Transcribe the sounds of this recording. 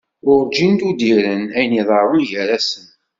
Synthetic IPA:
ʊɾd͡ʒint̪ud̪iɾənæjniðˤɑɾˤonʝəɾæsən

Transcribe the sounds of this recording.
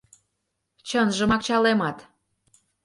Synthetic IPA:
t͡ɕənʒə̆mɑk̚t͡ɕɑlemɑt̪

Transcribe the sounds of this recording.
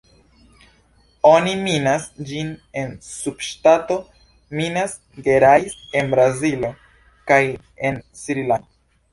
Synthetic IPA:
o̞niminasd͡ʒine̞nsub̥ʃtato̞ | minas | ɡe̞ɾajse̞nbɾazilo̞ | kaj | ensiɾilano

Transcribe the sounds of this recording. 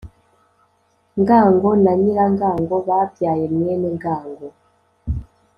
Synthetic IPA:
ŋɡaŋɡɔnaɲilaŋɡaŋɡɔβapjajɛmwɛnɛŋɡaːŋɡɔ

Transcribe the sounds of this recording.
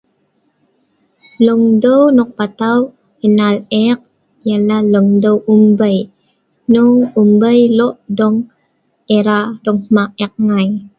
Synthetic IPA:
luŋdəwnɔk̚pat̪aw | ənalɛk̚ | jalaluŋdəwumbəj | nɔŋumbəjlɔʔdɔŋ | eɾadɔŋmaʔɛk̚ŋaj

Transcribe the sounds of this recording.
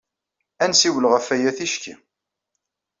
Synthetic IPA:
ænsiwəlʁəfæjæθiʃkḭ

